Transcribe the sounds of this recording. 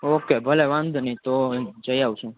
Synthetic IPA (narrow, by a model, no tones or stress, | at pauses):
okebʱəlɛʋãnd̪ʱnit̪od͡ʒəjaʋt͡ʃʰũ